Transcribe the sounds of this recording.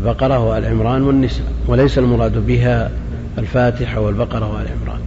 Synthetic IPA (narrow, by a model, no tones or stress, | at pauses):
lbɑqɑɾˤɑhʊalʕɪmɾˤɑːnwanːɪsaːwalajsalmʊɾˤɑːd̪bɪɦa | alfaːt̪ɪħawalbɑqɑɾˤɑhʊalʕɪ̰mɾˤɑ̰ːn